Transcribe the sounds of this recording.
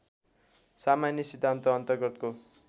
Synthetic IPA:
samanjʌsid̪ʱːant̪ʌːnt̪ʌrɡʌt̪ko

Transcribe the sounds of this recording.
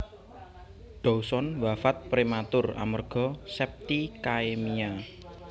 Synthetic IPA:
ɖ̥ɔusɔnwafat̪̚pɾemat̪ʊra̰mərɡ̥ɔ̤sɛp̚t̪ikaemia

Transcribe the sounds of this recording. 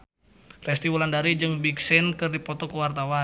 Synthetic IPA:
rɛst̪iwulandaɾid͡ʒɨŋbiksɪnkɨrdipɔt̪ɔkəwart̪awa

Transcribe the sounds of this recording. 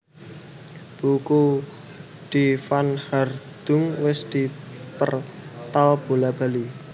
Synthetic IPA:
b̥uku | d̪̥ifanhard̪̥ʊ̤ŋwɪsd̪̥i̤pə̰rt̪alb̥olab̥a̤li

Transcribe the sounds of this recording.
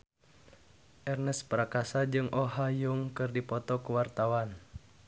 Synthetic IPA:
ʔɛrnɛspəɾakasad͡ʒɨŋʔɔɦajuŋkɨrdipɔt̪ɔkəwart̪awan

